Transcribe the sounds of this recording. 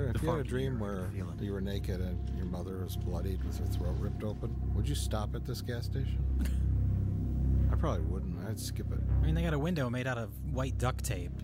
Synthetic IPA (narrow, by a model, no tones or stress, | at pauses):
ɨfjɨɾɨdɹĩmwə̥˞ | ɨjɨwə˞neɪkɨɾɨ̃njə˞mʌðə˞wʌzblʌɾid̚wɨð̥ə˞θɹoʊɹɪp̚toʊpə̃nwəd͡ʒɨstɑpɨt̪̚ðɪsɡ̥æsteɪʃɨ̃n̩ | aɪpʰɹ̥ɑbəbliwʊdⁿn̩taɪd̥skɪpɪ̰t̚ɪmĩnðɪɡɑɾəwɪ̃ndoʊmeɪɾaʊɾʌv | waɪt̚d̥ʌk̚tʰeɪp̚